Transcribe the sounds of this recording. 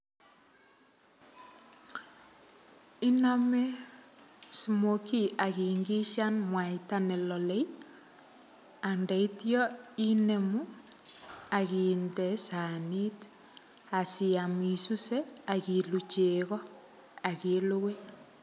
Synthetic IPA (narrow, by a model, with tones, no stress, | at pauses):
i˦nɔ˦me˦ | su˨mo˨ki˦a˨ki˨ŋɡi˦ʃa˦nmwa˨ita˦nɛ˨lɔ˨le˦j | a˨nda˨i˦tjɔi˦ne˨mu˦ | a˨ki˨ndɛ˨sa˨ni˦t | a˨si˨a˨mi˨su˦se˦a˨ki˨lu˨t͡ʃeɣɔ˦ | a˨ke˨˦lo˦we˦